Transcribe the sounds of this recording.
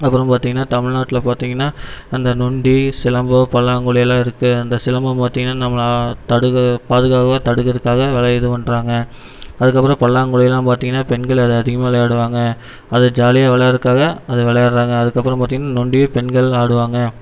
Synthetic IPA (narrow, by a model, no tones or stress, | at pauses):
ɐpːɯɾɐ̃mpaːɾt̪iːŋɡɐnːaːt̪ɐmɪɻnaːʈːɪlɐpaːɾt̪iːŋɡɐnːaːɐnd̪ɐnʊɳɖisɪlɐmbɐpɐɭːaːŋɡɯɭɪjɐlãːɪɾɯkːɯɐnd̪ɐsɪlɐmbɐpaːɾt̪ːiːŋɡɐnːaːnɐmːɐɭt̪ɐɽɯɣɐpaːðɯɣaːɣɐʋat̪ɐɽɯkɣɐðɯkːaːɣɐʋɛɭɐɛðɯpɐɳɖɾaːŋɡɐ | ɐðɯkːɐpːɯɾɐ̃pɐɭːaːŋɡɯɭɪjɐlãːpaːɾt̪iːŋɡɐnːaːpɛnɡɐɭɐðɯɐðɪɣɐmaːlɐjaːɽɯʋaːŋɡɐ | ɐðɯd͡ʒaːlɪjaʋɛɭɐjɐɾɯkːaːɣɐɐðɯʋɛɭɐjaːɽɾaːŋɡɐːðɯkːɐpːɯɾɐ̃mpaːt̪iŋɡɐnːaːnʊɳɖɪjpɛnɡɐɭaːɽɯʋaːŋɡɐ